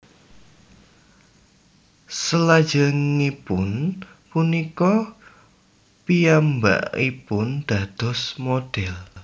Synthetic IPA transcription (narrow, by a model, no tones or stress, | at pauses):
səlḁd͡ʒ̥əŋipʊn | punikɔ | piamba̰ʔḭpʊnd̪̥a̤d̪̥ɔ̤smoɖ̥ɛl